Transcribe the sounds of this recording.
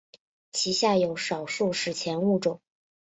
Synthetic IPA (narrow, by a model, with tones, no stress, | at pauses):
t͡ɕʰi˧˥ɕja˥˩jo˨˧˥ʊʂɑ˨˩ʊʂu˥˩ʂɻ̩˨˧˩t͡ɕʰjɛ˧˥nu˥˩ʈ͡ʂʊ˨˩˦ŋ